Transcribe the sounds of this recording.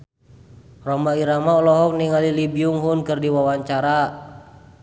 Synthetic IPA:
rɔmaiɾamaɔlɔɦɔk̚niŋalilibiuŋɦunkɨrdiwawaɲt͡ʃaɾa

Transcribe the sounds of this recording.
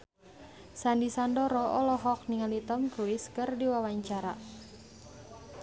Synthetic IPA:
sandisandɔɾɔɔlɔɦɔk̚niŋalit̪əmkɾuɪskɨrdiwawaɲt͡ʃaɾa̰

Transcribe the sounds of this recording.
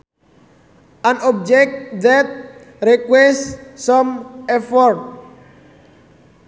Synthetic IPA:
ãnɔb̚d͡ʒɛk̚td̪ɛt̪̚ | ɾikwɛssɔ̃mɛfɔɾt̚

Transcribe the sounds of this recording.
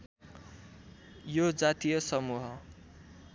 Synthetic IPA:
jod͡zat̪ijʌsʌmuɦʌ

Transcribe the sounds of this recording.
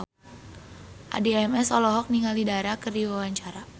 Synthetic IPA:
ʔa̰diɛmɛsɔlɔɦɔk̚niŋalidaɾakərdiwawaɲt͡ʃaɾa

